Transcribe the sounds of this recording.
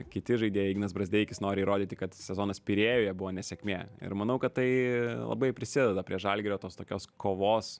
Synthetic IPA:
kʲɪt̪ʲɪʒɐɪd̪ʲeːjɛiɡɪnɐsbɾɐzʲd̪ʲeːkʲɪsnoːɾʲɪiɾoːd̪ʲiːt̪ʲɪkɐt̪sʲɛzoːnɐspʲɪɾʲeːjoːjɛbʊʋoːnʲɛsʲɛkʲmʲeːɪ̰ɾmɐnɐʊkɐt̪t̪ɐɪlˠɐ̰bɐɪpʲɾʲɪsʲɪd̪ʲɛd̪ɐpʲɾʲiɛʒɐlʲɡʲɪɾʲoːt̪oːst̪oːkʲoːskoːʋoːs

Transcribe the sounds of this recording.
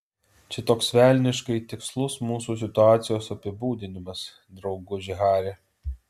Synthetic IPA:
t͡ʃʲɪt̪oːksʋʲæːˑlʲnʲɪʃkɐɪt̪ʲɪkslˠʊsmuːsuːsʲɪt̪ʊɑːt̪sʲɪjoːsɐpʲɪbuːd̪ʲɪnʲɪmɐs | d̪ɾɒʊɡʊʒʲɪɦɑːɾʲe

